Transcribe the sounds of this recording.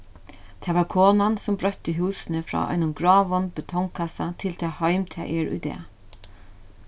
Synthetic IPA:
t̪ʰɛːʋaɹkʰoːnansʊmbɾœht̪ːɪɦuːsɪnəfɾɔ̰ːʔɔ̰jnʊnɡɹɔːʋɔnbɪt̪ʰɔŋkʰasat̪ʰɪlt̪ʰɛːhɔjmt̪ʰɛ̰ːʔɛɹṵjd̪ɛ̰ː

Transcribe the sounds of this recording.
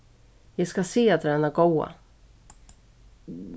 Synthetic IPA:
jɑɡskaseːat̪ɾɛːnaɡɔwa̰

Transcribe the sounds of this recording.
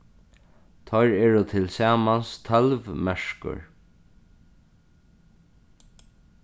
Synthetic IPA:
t̪ʰɔjɹɛːɹʊt̪ʰɪlsaːmanst̪ʰalvmɛʂkʊ̰ɹ

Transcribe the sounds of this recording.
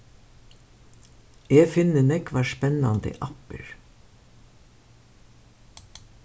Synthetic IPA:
eːfɪnənɛkʋɑːʃpɛnɑnd̪ə̰ʔɑpə̰ɹ

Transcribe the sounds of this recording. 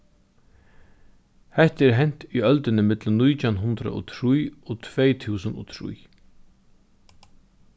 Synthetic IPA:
hɛht̪ɛɾɦɛn̥t̪iœlt̪ɪnɪmɪt̪lənːujt̪ʰjanɦʊnt̪ɾa̰ʔɔ̰t̪ʰɾujɔt̪ʰvɛjt̪ʰuːsənɔ̰t̪ʰɾṵj

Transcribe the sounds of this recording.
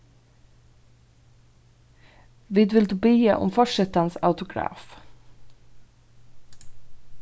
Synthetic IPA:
ʋɪːd̪ʋɪld̪ʉːbeːəʔɔ̰mfɔʂɛt̪ɑnsɑ̰ʉt̪ʊɡɾɑ̰ːf

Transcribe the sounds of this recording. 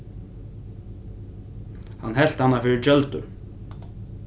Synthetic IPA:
hanːɦɛl̥t̪hanːafɪːɾɪɾt͡ʃœlt̪ʏ̰

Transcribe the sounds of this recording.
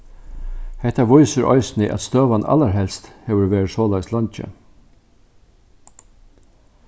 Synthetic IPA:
hɛht̪aʋʊʏsəɾʔɔ̰ʏsnɪʔæ̰t̪st̪øːʋana̰laɾɦɛlst̪hɛːʋəɾʋeːɾsoːlæɡst̪lɑnt͡ʃə̰

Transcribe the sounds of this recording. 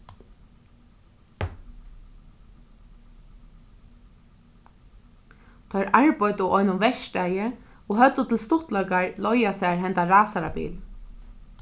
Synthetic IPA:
t̪ʰɔʏɾʔaɹpɔjt̪ʊʔɔjnʊnʋɛʃtæjəɔɦœt̪ːʊt̪ʰɪlst̪ʊht̪lɔkaɹlɔjasæɹɦɛnt̪aɾaːsaɾa̰pḭːl

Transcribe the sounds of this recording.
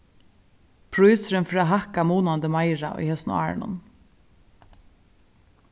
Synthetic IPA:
pʰɾʊʉːsɾənfɾɑːɦɑkɑmoːnɑnd̪əmɑɪɾɑ̰ʔḭːhɛsn̩ɔ̰ɑ̰ːɹ̰ɳɔ̰n

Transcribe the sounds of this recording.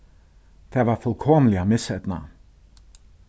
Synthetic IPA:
d̪̥æʋɑːfœlkʰɔməlɪəmɪsɛd̪nə̰

